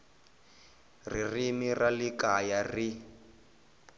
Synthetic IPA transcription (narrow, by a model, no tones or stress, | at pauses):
ririmiralikajari